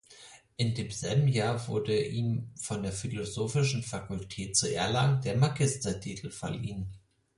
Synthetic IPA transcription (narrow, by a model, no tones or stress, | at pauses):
ʔɪndeːmzɛlbm̩jaːɐvʊɐdəʔiːmfɔndeːɐfilozoːfɪʃn̩fakʊltʰɛːtt͡suɛɐlaŋd̥eːɐmaɡɪstɐtʰitʰl̩fɐ̰lḭːn